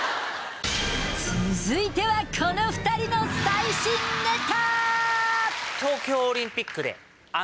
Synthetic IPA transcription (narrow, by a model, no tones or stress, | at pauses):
t͡sɨzɨit̪e̞βakʰo̞no̞ɸɯ̥t̪aɾʲino̞saiɕĩnd̪et̪a | t̪o̞ːkʲo̞ːɾʲĩmpʲikːɯ̟d̪e̞̰ | a